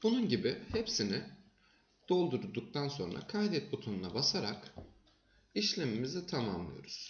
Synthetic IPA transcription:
bununɟibihepsinɪ | d̪̥o̞lˠd̪uɾd̪uk̚t̪ʰanso̞̰nɾa̰kʰajd̪ɛt̪̚bot̪ʰonunabasaɾa̰k | iʃlʲemimizit̪ʰamamlˠɯ̰jo̞̰ɾuz̥

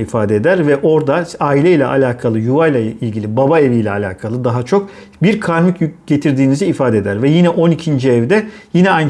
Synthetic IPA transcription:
ifaːd̪ed̪æɾvɛʔo̞ɾd̪aaːilʲɛjlʲɛʔa̰lʲaːkʰalˠɯjuvajlˠailʲɟʲilʲibabae̞vijlʲɛalʲa̰ːkʰalˠɯd̪aɦat͡ʃʰok̚ | biɾkʰaɾmicɟ̥e̞t̪ʰiɾd̪iːniziːfaːd̪ed̪æɾvɛjinɛʔo̞nicʰind͡ʒiɛvd̪ɛjinɛajn

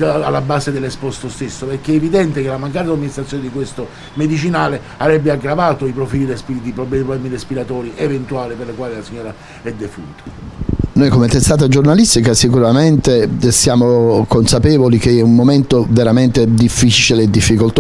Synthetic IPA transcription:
a̰lːabaːsed̪elːespɔst̪ost̪esːopeɾkeevid̪ɛnt̪ekelamaŋk̬aːɾed̪aminist̪ɾat̪ːjoned̪ikwest̪o | med̪it͡ʃinaːle | avɾɛbːeaɡɾavaːt̪oipɾofiːlirespiːlid̪ipɾoblɛplɛːmirespiɾat̪ɔːɾiʔevent̪uaːliperlekwaːlilasiɲːoːɾa | ɛd̪ːefṵnt̪o̥nojkomet̪est̪aːt̪ad͡ʒornalist̪ikasikuɾament̪esjaːmokonsapɛːvolik̟eɛumːoment̪oveɾament̪ed̪ifːit͡ʃileːd̪ːifːikolt̪

